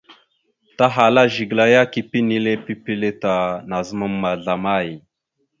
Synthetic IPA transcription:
ta˦ɦa˨la˦ʒi˨ɡla˨ja˦ki˨pi˦ni˦le˦pi˦pi˦le˦ta˨na˨zə˦ma˦mːa˨ɮa˨ma˦˨j

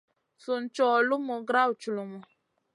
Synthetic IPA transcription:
su˨n̩˦t͡ʃɔ˨lu˦mɔ˨ɡɾa˦wu˨t͡ʃu˨lu˨mɔ˨

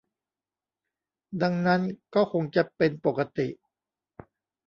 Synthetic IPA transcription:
da˧ŋna˦˥nkɔː˥˩kʰo˧ŋt͡ɕa˨˩pe˧npo˨˩ka˧t̪i˨˩ʔ

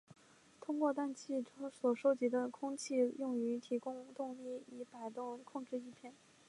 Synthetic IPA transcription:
t̪ʰʊ˥ŋkwɔ˥˧t̪a˥˧nt͡ɕʰi˥˩ʈ͡ʂʰswɔ˨˩ʂo˥ʊt͡ɕi˧˥d̪ə˧kʰʊ˥ŋt͡ɕʰi˥˧jʊ˥˩ŋy˧˥t̪ʰi˧˥kʊ˥ŋt̪ʊ˥˧ŋli˥˩i˧˥pa˨˩ɪt̪ʊ˥˧ŋkʰʊ˥˧ŋʈ͡ʂɻ̩˥˧i˥˧pʰjɛ˥˩n

